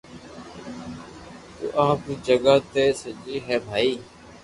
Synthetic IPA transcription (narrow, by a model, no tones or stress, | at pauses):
t̪ṵːʔaɦpiːd͡ʒəɡaːt̪eːsəd͡ʒiːɦɛːbʱaːiː